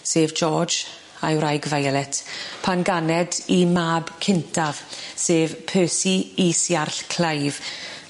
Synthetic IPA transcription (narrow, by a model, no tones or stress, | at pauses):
seːvd͡ʒɔːd͡ʒ | ajwɾajɡvajlˠɛtʰpʰanɡanɛdimaːbkʰɪntʰav̥seːvpʰøːsiiːsjarɬkʰl̥ajv